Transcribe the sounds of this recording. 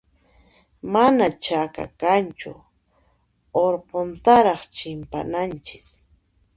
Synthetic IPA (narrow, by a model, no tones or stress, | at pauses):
manat͡ʃaka̰kant͡ʃʊ̰ | oɾqont̪aɾɑχt͡ʃɪmpa̰nant͡ʃɪ̥s